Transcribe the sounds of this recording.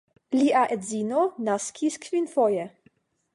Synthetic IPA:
liʔaʔedzinonaskʰʲiskvinfoje

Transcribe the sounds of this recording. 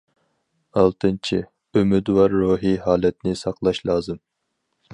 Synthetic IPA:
ɑlˠt̪ʰɨnt͡ʃʰi | ømyd̪wɑɾːoːɦiɦɑːlɛt̪nɪsɑqlˠɑʃlˠɑːzɨm

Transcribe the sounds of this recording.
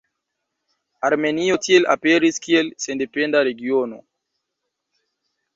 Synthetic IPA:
aɾmeniotiela̰peɾiskielsendependaɾeɡiono̰

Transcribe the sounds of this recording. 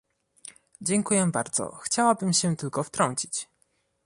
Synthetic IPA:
d͡ʑɛŋkujɛbaɾd̪zɔ̰xt͡ɕawabɘmɕɛt̪ɘlkɔft̪ɾɔɲt͡ɕit͡ɕ

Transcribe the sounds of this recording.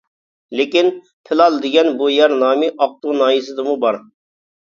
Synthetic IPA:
lɪkʲin | pʰɪlˠɑlˠd̪ɪɡʲɛnbujɛɾnɑːmɪʔɑq̚t̪unɑːjisɨd̪ɨmubɑɾ

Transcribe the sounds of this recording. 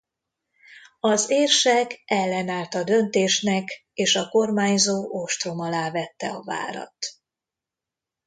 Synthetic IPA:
ɒzeːrʃɛkɛlːɛnaːlt̪ɒd̪ø̞nt̪eːʃnɛk | eːʃɒko̞rmaːɲzoːʔo̞ʃt̪ro̞mɒlaːvɛt̪ːɛɒva̰ːɾɒ̰t̪

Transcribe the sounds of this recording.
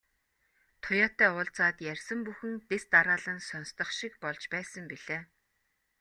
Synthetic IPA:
t̪ʰʊjɔːt̪æːʊːɮt͡saːt̪jærʲsə̆mpuxɘ̆ŋp̪est̪aɾaːɮə̆nsɔnst̪ɞ̆χʃikpɔɮt͡ɕpæːsə̆mpiɮ̥eː

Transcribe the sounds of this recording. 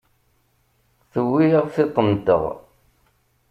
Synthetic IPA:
θəwːiʁθɪt̪ˤːənd̪ə̰ʁ

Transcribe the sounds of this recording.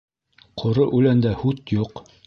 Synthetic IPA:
qʰŏɾɤʔʉlænd̪æhʉt̪juq

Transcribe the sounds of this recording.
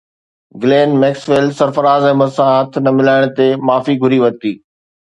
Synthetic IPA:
ɡleːnmɛːksʋeːlsɐɾfəɾaːzɦɪməsãɦɐt̪ʰnɐmɪlaːɪɽ̃t̪emaːfiɡʱʊɾiʋɐt̪iː

